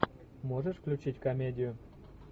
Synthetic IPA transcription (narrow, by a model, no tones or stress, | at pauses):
moʒəʃklʲut͡ɕitʲkomʲedʲɪju